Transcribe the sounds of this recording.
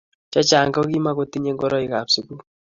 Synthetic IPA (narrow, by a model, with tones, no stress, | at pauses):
t͡ʃa˦t͡ʃa˨ŋɡɔ˦ki˦ma˦ko˦ti˦ɲe˦ŋɡɔ˦ɾɔ˦i˨ka˨psi˨ku˦